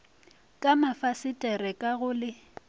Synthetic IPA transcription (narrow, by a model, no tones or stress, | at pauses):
kʼamafasɪtʼɛrɛkʼaɣʊlɪ